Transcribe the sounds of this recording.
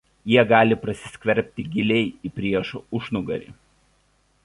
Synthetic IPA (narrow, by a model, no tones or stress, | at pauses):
jiɛɡɑːlʲɪpɾɐsʲɪ̥sʲkʲʋʲɛɾʲpʲt̪ʲɪɡʲɪlʲɛɪipʲɾʲiɛʃʊʃnʊɡɐ̰ɾʲḭːˑ